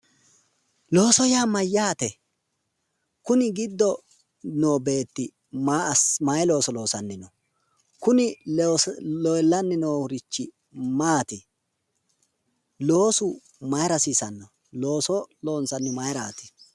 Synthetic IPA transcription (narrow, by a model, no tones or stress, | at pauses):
lo̞ːsɔjaːmɐjːaːt̪ɛ | kʊnɪɡɪd̪ːɔ | noːbe̞ːt̪ːɪ | mamɐjɛlo̞ːsɔlo̞ːsɐnːɪnɔ | kʊnɪ | ɔjlːɐnːɪnoːʊɾɪt͡ʃːɪ | maːt̪ɪ | lo̞ːsʊ | mɐjɾɐsiːsɐnːɔ | lo̞ːsɔlo̞ːnsɐnːɪmɐjɾaːt̪ɪ̥